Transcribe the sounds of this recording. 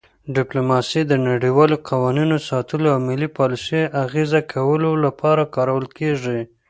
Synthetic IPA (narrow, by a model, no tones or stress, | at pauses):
ɖɪplomɑsid̪ənaɽiwɑloqawɑninosɑt̪əloawmɪlipɑlɪseʔaɣezakʰawəlolapʰɑɾakɑɾawəlkeʐi